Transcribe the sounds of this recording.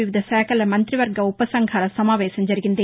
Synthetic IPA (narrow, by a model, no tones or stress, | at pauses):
ɪʋɪd̪ʱɐsɛːkɐlɐmɐnd̪rɪʋɐɾɡɐʊpːɐsɐŋɡʰʱɐɾɐsɐmaːʋeːsɐɲd͡ʒɐɾɯɣɪnd̪e